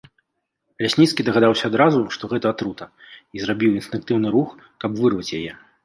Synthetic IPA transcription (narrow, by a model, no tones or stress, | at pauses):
lʲasʲnʲit̪skʲid̪ɐɣad̪awsʲɐːd̪ɾazuʂt̪ɔɣɛt̪ɐat̪ɾut̪ɐ | izrabʲiwinst̪ɨŋk̚t̪ɨwnɨɾux | kɐbvɨrvɐt͡sʲjajɛ